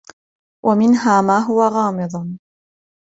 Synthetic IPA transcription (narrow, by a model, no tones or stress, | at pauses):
wʔamɪnɦaːmaːɦʊwaɣɑːmɨd̪ˤ